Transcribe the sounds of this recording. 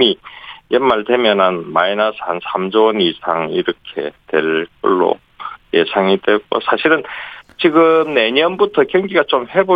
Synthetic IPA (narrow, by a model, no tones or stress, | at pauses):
ijenmːaɭte̞mjʌnanmainasʰansʰamd͡ʑoʌnisʰaŋiɾʌkʰe̞̰twe̞ɭk͈ɯ̰ɭːo̰ | jesʰaŋidweɡo̰sʰaɕʰiɾɯnt͡ɕiɡɯmne̞ɲʌnbutʰʌkjʌŋɡiɡat͡ɕomhe̞bo